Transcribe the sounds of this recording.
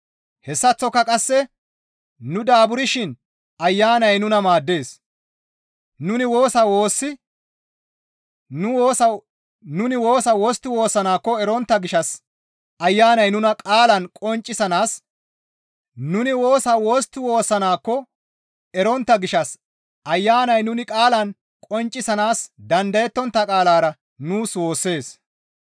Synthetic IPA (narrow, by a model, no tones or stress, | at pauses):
hɛsːɐt͡sːɔkːɐkʼɐsːɛ | nʊd̪aːbʊɾɪʃɪn | ɐjːaːnɐjnʊnɐmaːd̪ːe̞ːs | nʊnɪwo̞ːsɐwoːsːɪ | ʊː | nʊnɪwo̞ːsɐwoːst̪ːɪwo̞ːsːɐnaːkːɔɛɾɔnt̪ːɐɡɪʃɐs | ɐjːaːnɐjnʊnɐkʼaːlɐnkʼɔnt͡ʃʼːɪsɐnaːs | nʊnɪwoːsɐwo̞ːst̪ːɪwo̞ːsːɐnaːkːɔ | ɛɾɔnt̪ːɐɡɪʃɐs | ʔɐjːaːnɐjnʊnɪkʼaːlɐn | kʼɔnt͡ʃʼːɪsɐnaːsd̪ɐnd̪ɐjɛt̪ːɔnt̪ːɐkʼaːlaːɾɐ | nuːswo̞ːsːe̞ːs